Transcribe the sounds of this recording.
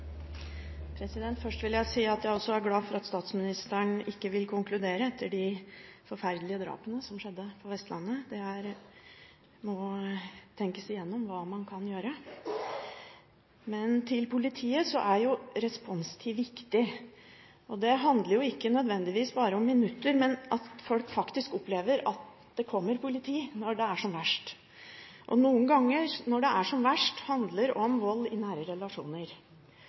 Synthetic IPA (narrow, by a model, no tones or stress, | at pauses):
pʰɾɛsɪd̪ɛnt̪fœʂʈʋɪljæɪsiːɑt̪jæɪɔsːɔæɾɡlɑːfɔɾɑt̪st̪ɑːt̪smɪnɪst̪əɳɪkːəʋɪlkʰʊŋklʉd̪eːɾəɛt̪ʰːəɖɪ | fɔɾfæɾd̪lɪəd̪ɾɑ̰ːpənəsɔmʂɛd̪ːəfʰɔʋɛst̪lʔɑnːəd̪ɛæɾ | mɔ | t̪ʰɛŋkəsɪjɛnːɔmʋɑːmɑnkʰɑnjøːɾə | mɛnt̪ʰɪlpʊlɪt̪ʰiːəsɔʔæɾjʊɾɛspɔnst̪ʰɪʋɪkt̪ɪ | ʔɔd̪ɛɦɑnd̪ləɾjʊɪkːənœd̪ʋɛnd̪ɪʋiːsbɑːɾəɔmːɪnʉt̪ːəɾmɛnʔɑt̪fɔlkfɑkt̪ɪskɔpleːʋəɾɑt̪̚ | d̪̥ɛkʰɔmːəɾpʊlɪt̪ʰiːnɔɖɛæʂɔmʋæʂʈ | ʔɔ̰nuːənɡɑŋːəɾnɔɖɛʔæʂɔmʋæʂʈhɑnd̪ləɾɔmʋɔlːɪnæːɾəɾɛlɑʂuːnəɾ